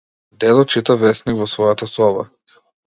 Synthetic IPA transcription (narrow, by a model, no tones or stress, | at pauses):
d̪ɛd̪ɔt͡ʃit̪avɛsniɡvɔsvɔjat̪asɔba̰